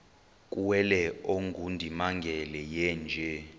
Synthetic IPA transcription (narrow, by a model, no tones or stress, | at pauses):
kʼuwɛlɛoŋɡʱundʱimaŋɡʱɛlɛjɛnd͡ʒʱɛ